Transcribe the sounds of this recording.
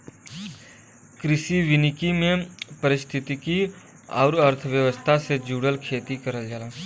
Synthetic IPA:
kɾɪsiʋɪnɪkimẽpɐɾɪst̪ʰɪt̪iki | ɔ̰ːɾəɾt̪ʰəʋjəʋəst̪ʰased͡ʒuːɽəlkʰeːt̪ikəɾəld͡ʒaːlaː

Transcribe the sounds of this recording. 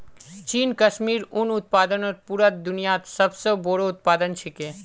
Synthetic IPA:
t͡ʃiːnkəʃmiːɾʊnʊt̪̚paːd̪ənoɾpuɾət̪̚d̪ʊnijat̪səbsoboːɽoʊt̪̚paːd̪ənt͡ʃʰekẽː

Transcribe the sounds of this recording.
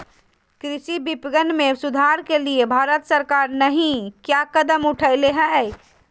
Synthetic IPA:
kɾisibipɡənmesud̪ʱaɾkeliebʱaɾət̪səɾkaɾnəɦĩkjakəd̪əmuʈʰəɪleɦə̃

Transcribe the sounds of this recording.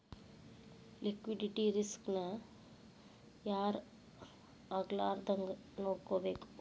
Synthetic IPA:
likʋiɖiʈiɾisknɐ | jaːɾ | ɐɡlaːɾd̪ɐŋɡ | noːɽkoːbeːk

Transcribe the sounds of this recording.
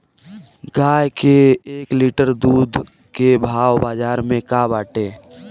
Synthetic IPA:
ɡaːjkeːkliːʈəɾd̪uːd̪ʱ | kebʱaːwbaːd͡ʒaːɾmẽkabaːʈeː

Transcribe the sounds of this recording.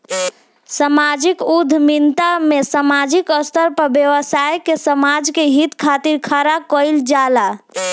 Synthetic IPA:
səmad͡ʒikud̪ʱmint̪amesəmad͡ʒikəst̪əɾpəɾbjewəsajkesəmad͡ʒkeɦit̪kʰat̪iɾkʰaɾakɔjld͡ʒala

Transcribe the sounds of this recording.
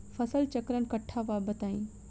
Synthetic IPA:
fɐsəlt͡ʃɐkɾənkɐʈʰːaʋaːbət̪aːĩː

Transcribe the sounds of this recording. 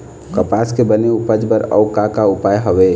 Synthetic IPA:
kəpaskebəneupəd͡ʒbəɾə̰ʊkakaupajɦəʋe

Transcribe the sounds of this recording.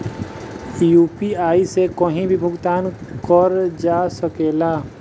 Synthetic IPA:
juːpiaːisekəɦĩbʱibʱʊɡt̪aːnkəɾd͡ʒaːsəkeːlaː

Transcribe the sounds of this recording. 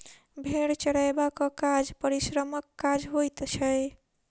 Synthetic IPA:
bʱeɽt͡ʃəɽajbakɔkad͡ʒpəɾisɾəməkːad͡ʒɦojt̪t͡ʃʰəj

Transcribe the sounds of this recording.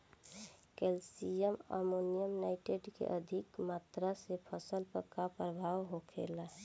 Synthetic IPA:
kelsijəmə̰monijəmnaɪʈeɖkḛʔəd̪ʱikmaːt̪ɾasepʰəsəlpəkapɾəbʱawɦokʰḛla

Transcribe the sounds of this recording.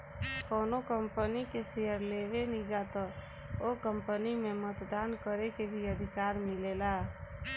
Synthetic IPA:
kənokəmpənikesejəɾleʋenid͡ʒat̪ɔ | okəmpənimemət̪d̪ankəɾekebʱiəd̪ʱikaɾmilela

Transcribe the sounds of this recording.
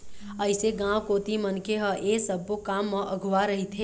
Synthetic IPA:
əɪseɡãwkoːt̪imənkeɦə̃ʔesəbokamːə̃ʔəɡʱʋaɾəɦit̪ʰe

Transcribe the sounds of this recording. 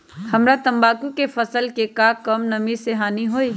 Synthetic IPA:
hɐmɾat̪ɐ̃mbaːkũkefɐsəlkekakɐmnɐmiseɦaːniɦoːiː

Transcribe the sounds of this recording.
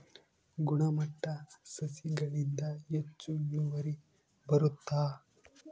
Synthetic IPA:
ɡuɳɐmɐʈːɐsɐsiɡɐɭind̪ɐet͡ʃːunuʋɐɾi | bɐɾut̪ːaː

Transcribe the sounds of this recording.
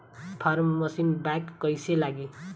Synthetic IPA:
pʰʌrmːʌsinbakːʌjselaɡi

